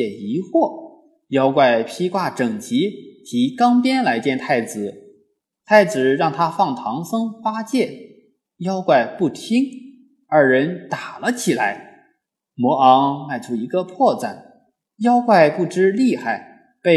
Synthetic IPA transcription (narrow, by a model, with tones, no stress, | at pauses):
ɛ˨˩i˧˥xwɔ˥˩ | jɑ˥ʊkwa˥˩ɪpʰi˥kwa˥˩ʈ͡ʂɤ˨˩ŋt͡ɕi˧˥t̪ʰi˧˥kɑ˥ŋpjɛ˥nla˧˥ɪt͡ɕjɛ˥˧nt̪ʰa˥˩ɪt͡sɹ̩˨˩ | t̪ʰa˥˩ɪt͡sɹ̩˨˩ɻɑ˥˩ŋt̪ʰa˥fɑ˥˩ŋt̪ʰɑ˧˥ŋsɤ˥ŋfa˥t͡ɕjɛ˥˩n | jɑ˥ʊkwa˥˧ɪpu˥˩t̪ʰi˥ŋ | ə˞˧˥ɻə˧˥nt̪a˨˩lə˦t͡ɕʰi˨˩la˧˥ɪ | mwɔ˧˥ɑ˧˥ŋma˥˩ɪʈ͡ʂʰu˥i˧˥ɡə˧pʰwɔ˥˧t͡sa˥˩n | jɑ˥ʊkwa˥˧ɪpu˥˩ʈ͡ʂɻ̩˥li˥˧xa˥˩ɪ | pe˥˩ɪ